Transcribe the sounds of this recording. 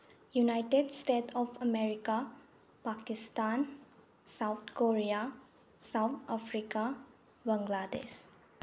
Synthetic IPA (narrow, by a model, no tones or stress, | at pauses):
junajʈedstetʰɔpʰɐmeɾika | pakistan | sawt̪ʰkoɾija | sawt̪ʰapʰɾika | bãŋɡladḛs